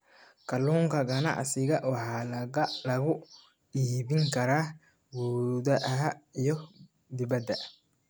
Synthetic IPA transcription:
kʰɐluːŋkʰɐɡɐnɑ̰ʕsɪɣɐʔwɑħɑːlɐɣʊ | iːβɪŋkʰɐɾaː | wuːðɐʔɐɦijɔ | d̪ɪβɐd̪ːɐ

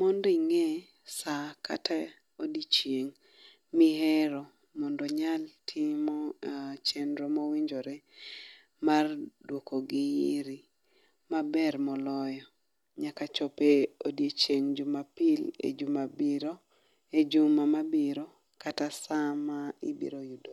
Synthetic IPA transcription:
mɔndiŋe | saka̰ta | odit͡ʃjeŋ | miɦɛɾɔ | mɔndɔɲaltʰimɔt͡ʃɛndɾomowiɲd͡ʒoɾɛ | mardwokoɡiiɾi | mabɛrmɔlɔjɔ | ɲakat͡ʃɔpeodjet͡ʃeŋd͡ʒumapilḛd͡ʒumabiɾo | ed͡ʒumamabiɾo | katasamaḭbḭɾojudo

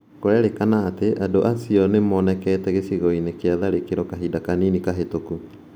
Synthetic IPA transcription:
koɾɛɾekanaːteʔadoʔasiɔnemɔnɛkɛːtɛɣesiɣɔinekeaðaɾekeɾɔkaɦidakaninikaɦetoku

